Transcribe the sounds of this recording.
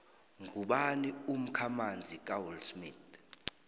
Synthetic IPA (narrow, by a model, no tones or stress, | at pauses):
ŋɡʱuɓanium̩kʰamand͡zʱik̬ʼawulsmit